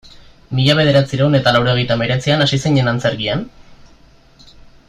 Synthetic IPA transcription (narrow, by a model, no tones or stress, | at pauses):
miʎaβ̞e̞ð̞e̞ɾat͡siɾeuwne̞t̪alawɾe̞ɣe̞jt̪ame̞ɾe̞t͡sianasiseɲe̞nant͡se̞ɾɣian